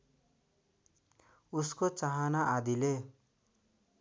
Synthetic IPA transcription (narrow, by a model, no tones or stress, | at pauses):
uskot͡saɦanaʔad̪ile